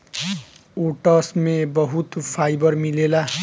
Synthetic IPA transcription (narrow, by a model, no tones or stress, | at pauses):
oʈʌsmebʌɦut̪pʰajbʌrmilela